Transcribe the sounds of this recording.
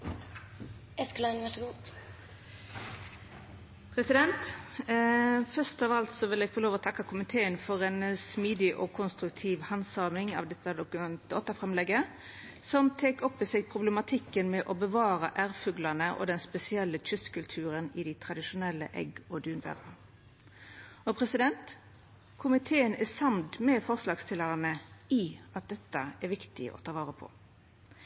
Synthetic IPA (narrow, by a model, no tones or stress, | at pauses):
ɛsklənɛʈəɡuːt̪ | pʰʁɛsɪd̪ɛnt̪ | fœst̪ɑːʋɑlt̪sɔʋɪlɛɡ̥fɔʁloːʋɔt̪ʰɑkːɑkʰʊmɪt̪ʰeːənfɔʁɛnsmiːd̪ɪʔɔ̰kʰʊnst̪ʁʉkt̪ʰiːʋhɑnsɑːmɪŋɑ̰ʋd̪ɛt̪ːɑd̪ʊkʉmɛnt̪ɔt̪ːəfʁɛmlɛɡːə | sɔmt̪ʰeːkɔpːɪsɛɡpʰʁʊblɛmɑt̪ʰɪkːənmɛʔɔbəʋɑːɾəʔæʁfʉɡlɑnəʔɔ̰d̪ɛnspɛsɪɛlːətʰʉst̪kʉlt̪ʰʉːɾənɪd̪ɪt̪ʰʁɑd̪ɪʃʊnɛlːə̰ʔɛ̰ɡɔd̪ʉːnʋæ̰ːʁɑ | ɔpʰɾɛsɪd̪ɛnt̪ | kʰʊmɪt̪ʰeːənæsɑmd̪mɛfɔʁslɑːɡst̪ʰɪlːɑʁənəiɑt̪̚d̪ɛt̪ːəɛɾʋɪkt̪ɪ̰ʔɔ̰t̪ʰɑːʋɑːɾəpʰɔ̰